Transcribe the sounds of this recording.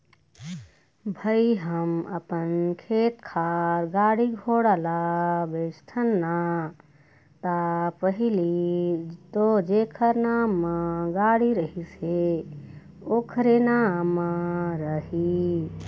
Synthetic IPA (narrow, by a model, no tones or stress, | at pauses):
bʱəiɦəmə̰pənkʰet̪kʰaɾɡaːɽiɡʱoɽalabest̪ʰənːa | t̪apəɦili | t̪od͡ʒekʰəɾnaːmːəɡaɽiɾəɦise | oːkʰɾenamːəɾəɦi